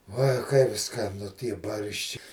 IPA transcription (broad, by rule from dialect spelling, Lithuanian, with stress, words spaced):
ˈuɔj kɐɪp skɐˈnʊ ˈtʲiɛ ˈbɐrʲʃʲt͡ʃʲɪ